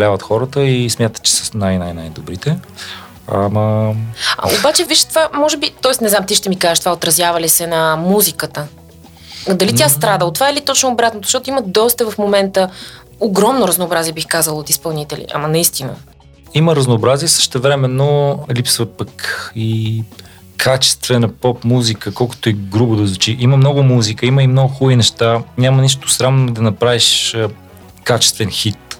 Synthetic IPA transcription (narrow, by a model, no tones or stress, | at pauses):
ljavət̪xɔɾət̪əismʲjat̪ət̪t͡ʃɛ̥sənajnajnajd̪obɾit̪ɛ | ɐmə | a̰obat͡ʃɛviʃt̪vamɔʒɛbit̪ɔɛsnɛznamt̪iʃt̪ɛmikazɛʃt̪vaot̪ɾɐzʲjavɐlisɛnɐmuzikət̪ə | d̪ɐlitʲast̪ɾad̪ət̪vaɛlit̪ɔt͡ʃnʊːbɾat̪notzz̥ʃt̪ɔt̪ʊiməd̪ɔst̪əvɐfmomɛnt̪ə | oɡɾɔmnoɾəznoːbɾaziɛbixkazəlˠot̪ispɐlˠnit̪ɛlḭʔa̰mənɐist̪inə̰ | iməɾəznoːbɾaziɛsə̥ʃt̪ɛvɾɛmɛnːolipsvəpəki | kʰat͡ʃɛ̥st̪vɛnɐpɔpmuzikəkɔlˠkʊ̥t̪ʊɛɡɾubʊd̪ɐzvut͡ʃiʔiməmnɔɡʊmuzikəiməimnɔɡʊxuinɛʃt̪anʲaməniʃ̬t̪o̥sɾamnod̪ɐnɐpɾaviʃ | kat͡ʃɛ̥st̪vɛnxit̪